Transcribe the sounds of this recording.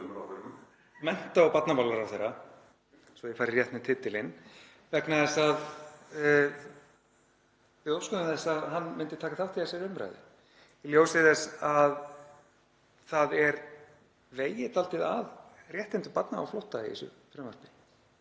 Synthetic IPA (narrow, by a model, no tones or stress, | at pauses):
mɛn̥t̪aawpat̪napawlaɾawθejɾːa | svɔjɪfaːɾɪrjɛht̪nɪt̪ʰɪt̪ːɪlɪn | vɛknaðɛsað | vɪðowskʏðʏmθɛsaðɦanːmɪnt̪ɪɾt̪ʰaːkaθawht̪ʰiasɛɾʏmɾa̰jðɪ̰ | ljoːwsɪðɛsað | θaðɛɾ | veːjɪt̪alt̪ɪðaðrjɛht̪ɪnt̪ʏpat̪naa̰wflowht̪aiḭsʏ̰ | fɾɛmvar̥pɪ̥